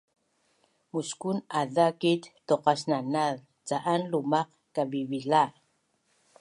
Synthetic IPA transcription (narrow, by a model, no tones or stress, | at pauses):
muskunadakitt̪oqasnanað | t͡saʔanlumɑq | kavivila